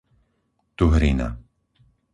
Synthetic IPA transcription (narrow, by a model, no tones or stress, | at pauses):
t̪uɦɾina̰